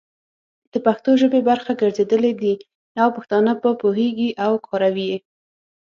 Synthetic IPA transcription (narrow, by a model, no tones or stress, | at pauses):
d̪̥əpaxt̪oʒəbebaɾxaɡəɾzed̪əled̪i | awpaxt̪ɑnabəpoɦeɡiʔawkʰɑɾawie